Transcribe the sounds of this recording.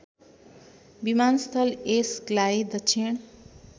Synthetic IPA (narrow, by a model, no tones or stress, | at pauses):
bimanst̪ʰəlesklaid̪ət͡ʃʰiɳ̃